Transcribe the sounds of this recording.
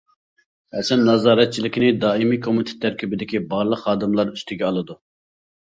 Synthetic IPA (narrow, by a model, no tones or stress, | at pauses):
ɛt͡ʃʰɛnnɑzɑːɾɛt̪̚t͡ʃʰilɪkʲʰinɪd̪ɑːimiːkʰomit̪ʰɪ̥t̪ʰæɾkʲʰybɪd̪ɪkʲibɑɾlˠəqhɑːd̪ɨmlˠɑɾyst̪ʰɪɡʲɛɑlˠɨd̪u